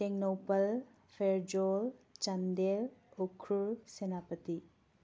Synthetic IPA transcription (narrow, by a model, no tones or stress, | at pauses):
teŋnopɐl | pʰeɾd͡ʒolt͡ʃɐndelokʰɾuɾsenapɐti